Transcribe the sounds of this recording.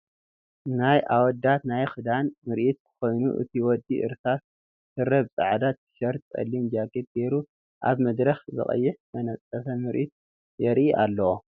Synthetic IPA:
najʔawɔd̪at̪najxɨd̪anmɨɾʔit̪̚kʰɨ̥xo̞jnuʔɨ̰t̪ʰiwɔd̪ːiʔɨ̰ɾsʰat̪ | t̪ɨɾɐβsʼɨ̰ʕad̪at̪ːɨ̥ʃɐɾt̪̚t͡sʼɐ̰lːimd͡ʒakʰet̪̚ɡeɾu | ʔaβmɐd̪ɾɐxzɨ̰χʼɐ̰jːɪħmɐnɐt͡sʼːɐfɐmɨɾʔit̪̚ | jɛɾʔiʔalːɐwo

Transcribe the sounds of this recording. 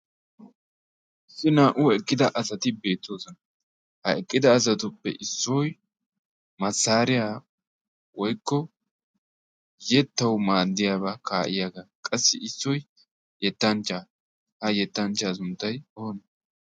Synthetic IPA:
ʔɪsːɪnaːʔʊɛkʼːɪd̪ɐʔɐsɐt̪ɪbe̞ːt̪ːoːsɔnɐ | hɐɛkʼːɪd̪ɐːs̬ɐt̪ʊpːɛ̰ʔɪsːɔj | mɐsːaːɾɪjaː | wɔjkːɔ | jɛt̪ːɐwmaːd̪ːɪjabɐkʰaːʔɪ̰jaɡɐkʼɐsːɪɪsːɔj | jɛt̪ːɐnt͡ʃːa | hɐjɛt̪ːɐnt͡ʃːaːsʊnt̪ːɐjɔhɔnɐ

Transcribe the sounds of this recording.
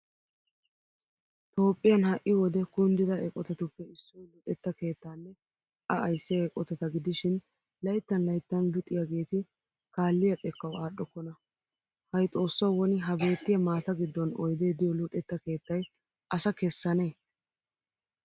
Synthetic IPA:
t̪o̞ːpʼːɪjɐnhɐʔɪwɔd̪ɛkʊnd̪ɪd̪ɐʔɛkʼːɔt̪ɐt̪ʊpːɛɪsːɔlʊᶑʼɛt̪ːɐke̞ːt̪ːaːnːɛ | ɐʔɐjsːɛɛkʼːɔt̪ɐt̪ɐɡɪd̪ɪʃɪn | lɐjt̪ːɐnlɐjt̪ːɐnlʊt̪ʼːɪjaɡe̞ːt̪ɪ | kaːlːɪjɐt̪ʼɛkːɐwaːɗːɔkːɔnɐ | hɐjt̪ʼo̞ːsːɐwwɔnɪɦɐbe̞ːt̪ːɪjɐmaːt̪ɐɡɪd̪ːɔnɔ̰jd̪e̞ːd̪ɪjɔlʊᶑɛt̪ːɐke̞ːt̪ːɐj | ʔɐsɐkɛsːɐne̞ː

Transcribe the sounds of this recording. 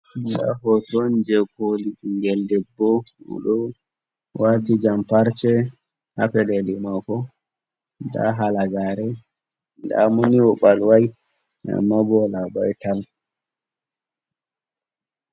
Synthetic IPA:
da̰ɦɔtɔnd͡ʒɛkoliiŋɡɛldɛbːɔṵɗɔ | watid͡ʒampaɾt͡ʃɛ | hapɛɗɛdɛmakɔ | da̰ɦalaɡaɾɛ | nda̰moniwɔɓalwaj | a̰mːabɔlabajtal

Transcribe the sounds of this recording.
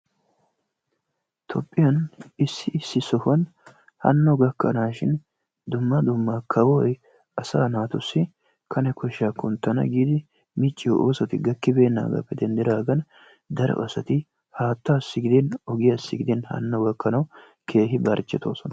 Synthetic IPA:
t̪ʰɔpʼːɪjɐnɪsːɪʔɪsːɪsɔhɔn | hɐ̰nːɔɡɐkːɐ̰naːʃɪn | d̪ʊmːɐd̪ʊmːakʰɐwɔj | ɐsa̰ːnaːt̪ʊsːɪ | kʰɐnɛkɔʃakʊnt̪ːɐnɐ̰ɡiːd̪ɪ | mɪt͡ʃʼːɪɔʔo̰ːsɐt̪ɪɡɐkːɪbe̞ːnːa̰ːɡɐ̰pːɛd̪ɛnd̪ɪɾaːɡɐn | d̪ɐɾɛ̰ʔɔsɐt̪ɪ | haːt̪ːasːɪɡɪd̪ɪnɔɡɪjasːɪɡɪd̪ɪnhɐ̰nːɔɡɐkːɐnɐw | kʰe̞ːɦɪbɐɾt͡ʃːɛt̪o̞̰ːsɔnɐ

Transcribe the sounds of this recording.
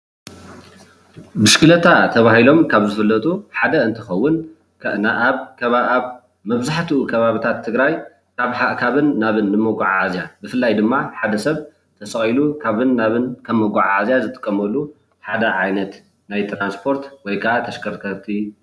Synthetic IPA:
bɨʃkʰɨlɐt̪ʰat̪ʰɐβahilo̞mkʰaβzɨfɨlːɐt̪ʼuħad̪ɐɨnt̪ʰɨxɐwːʊn | aβkʰɐβaaβ | mɐβzaħt̪ʰiukʰɐβaβit̪ʰat̪ʰːɨɡɾaj | kaβħakʰaβɨnːaβɨnːɨmoɡaʕaʕazjabɨfɨlːajd̪ɨmːaħad̪ɐsɐβ | t̪ʰɐsʼɐχʼilukʰaβɨnːaβɨnkʰɐmːoɡaʕazjazɨt̪ʼɨ̥kʼːɐmɐlːu | ħad̪ɐʕajnɐt̪ | najt̪ʰɾanspʰo̞ɾt̪wɔjkʰaat̪ʰɐʃkʰɐɾkʰɐt̪ʰi

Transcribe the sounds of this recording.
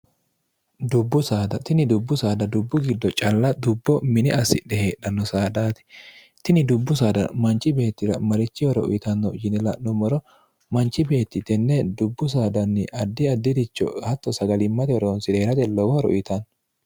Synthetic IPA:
d̪ʊbːʊsaːd̪ɐt̪ɪnɪd̪ʊbːʊsaːd̪ɐd̪ʊbːʊɡɪd̪ːɔt͡ʃʼɐlːɐd̪ʊbːɔmɪnɪɐsːɪ̰ɗɛheːᶑɐnːɔsaːd̪aːt̪ɛ̥ | t̪ɪnɪd̪ʊbːʊs̬aːd̪ɐ̰mɐnt͡ʃʼːɪbe̞ːt̪ːɪɾɐmɐɾɪt͡ʃːɪwɔɾɔ̰ʔʊ̰ɪt̪ɐnːɔd͡ʒɪnɛlɐnɔmɔɾɔ | mɐnt͡ʃʼːɪbe̞ːt̪ːɪt̪ɛnːɛd̪ʊbːʊs̬aːd̪ɐnːɪʔɐd̪ːɪɐd̪ːɪd̪ɪt͡ʃːɔ̰hɐt̪ːɔsɐɡɐlɪmːɐt̪ɛɔɾonsɪd̪eːɾɐt̪ɛlɔwɔhɾɔ̰ʔɪt̪ɐn

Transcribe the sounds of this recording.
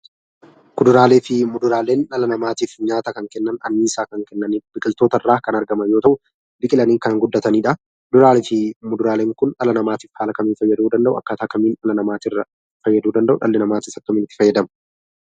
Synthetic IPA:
kʊd̪ʊɾaːleːfɪmʊd̪ʊɾaːle̞ːnᶑɐlɐnɐmaːt̪iːfɲaːt̪ɐkɐŋkɛnːɐnɐnːiːsaːkɐŋkɛnːɐnɪbɪkʼɪlt̪o̞ːt̪ɐrːaːkɐnɐɾɡɐmɐnjoːt̪ɐʔʊ | bɪkʼɪlɐniːkɐnŋɡʊd̪ːɐt̪ɐniːᶑɐ | kʊd̪ʊɾaːlɪfɪmʊd̪ʊɾaːleːŋkʊnᶑɐlɐnɐmaːt̪iːfhaːlɐkɐmiːnfɐjːɐd̪uːd̪ɐnd̪ɐʔʊɐ̰kːɐːt̪aːkɐmiːnɐlɐnɐmaːt̪ɪrːɐ | fɐjːɐd̪uːd̪ɐnd̪ɐʔʊᶑɐ̰lːɛnɐmaːt̪iːsɐkːɐmiːnɪt̪ːɪ̥fɐjːɐd̪ɐm

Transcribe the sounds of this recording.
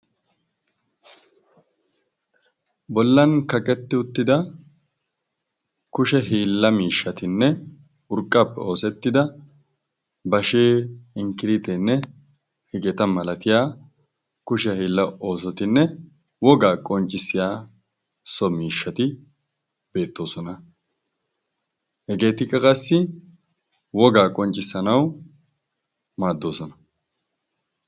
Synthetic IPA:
bɔlːɐnkɐkʼɛt̪ːɪʊt̪ːɪd̪ɐ | kʊʃɛɦiːlːɐmiːʃːɐt̪ɪnːɛ | ʊɾkʼːɐpːɛo̞ːsɛt̪ːɪd̪ɐ | bɐʃeːɪŋkɪɾɪt̪ɛnːɛ | hɪɡɛt̪ɐmɐlɐt̪ɪjaː | kʊʃɛhɪlːɐo̞ːsɔt̪ɪnːɛ | wɔɡaːkʼɔnt͡ʃʼːɪsːɪjaː | sɔmiːʃːɐt̪ɪ | b̥e̞ːt̪ːo̞ːsɔnɐ | hɛɡe̞ːt̪ɪkʼːɐkʼɐsːɪ | wɔɡaːkʼɔnt͡ʃʼːɪsːɐnɐw | maːd̪ːo̞ːsɔnɐ̥

